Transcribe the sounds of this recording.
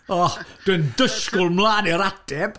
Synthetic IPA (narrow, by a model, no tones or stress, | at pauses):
ɔd̥əndəskʊlˠmlˠaːnɛɾatɛb̥